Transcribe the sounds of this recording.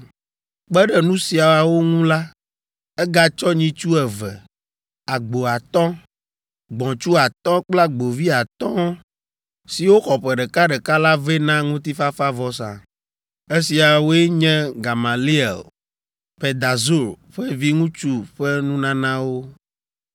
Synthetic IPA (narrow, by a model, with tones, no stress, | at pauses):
k͡pɛ˦ɖɛ˨nũ˦si˨a˨a˨wo˦ŋũ˦la˦ | ɛ˦ɡa˦t͡ʃɔ˦ɲĩ˦t͡ʃu˦ɛ˨vɛ˨ | a˨ɡ͡bo˨a˨t̪ɔ̃˦ | ɡ͡bɔ̃˨t͡ʃu˦a˨t̪ɔ̃˦k͡pla˦ɡ͡bo˨vi˦a˨t̪ɔ̃˦ | si˨wo˦xɔ˨ɸɛ˨ɖɛ˨ka˦ɖɛ˨ka˦la˦ve˦nã˦ŋũ˦t̪i˦fa˦fa˦vɔ˨sã̰˨ | e˦si˨a˨wo˦e˦ɲɛ̃˦ɡa˨ma˨li˦ɛ̰˨l | pe˨d̪a˨zu˦˨ɾ | ɸɛ˦vi˦ŋũ˦t͡ʃu˦ɸɛ˦nũ˦nã˦nã˦wo˦